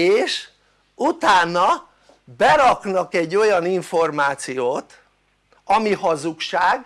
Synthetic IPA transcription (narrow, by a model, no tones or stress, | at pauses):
eːʃ | ut̪aːnːɒ | bɛɾɒknɒkɛɟːo̞jɒniɱfo̞rmaːt̪sijoːt̪ | ɒmihɒzukʃaːɡ